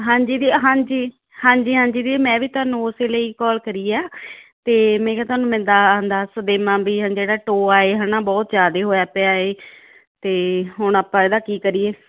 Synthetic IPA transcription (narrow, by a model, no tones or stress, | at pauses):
ɦãːɲd͡ʒiːd̪iːɦãːd͡ʒiː | hãːɲd͡ʒiːɦãːɲd͡ʒiːd̪iːmɛ̃ːʋiːt̪ʊaːnũːʊseːləiːkɔːlkəɾiːaːt̪eːmɛ̃ːkɛːt̪ʊaːnũːmɛ̃ːnd̪aːənd̪aːsəd̪eːmãːbiːãd͡ʒeːɽaːʈoːaːeːɦaːnaːbɔːt̪d͡ʒaːd̪eːɦoːaːpɛːaːeː | t̪eːɦʊɳaːpãːeːd̪aːkiːkəɾiːeː